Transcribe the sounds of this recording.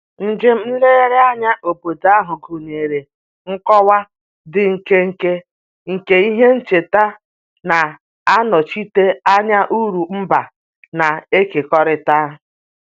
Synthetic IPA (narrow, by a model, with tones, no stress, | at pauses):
n̩˨d͡ʒɪ˦m̩˦m̩˦le˦ɣe˦ɾɪ˦a˦ɲa˦ʔo˨bo˨da˦ɦʊ˨ɡu˨ne˨ɾe˨ | ŋ̩˦kɔ˦wa˦ | dɪ˨ŋ̩˨ke˦ŋ̩˨ke˦ | ŋ̩˨ke˦i˦ɦe˦n̩˦t͡ʃe˨ta˦ | na˨ | a˦nɔ˨t͡ʃi˦te˦a˦ɲa˦ʔu˦ɾu˨m̩˦ba˨ | na˨e˦ke˨kɔ˦ɾɪ˨ta˦ɦ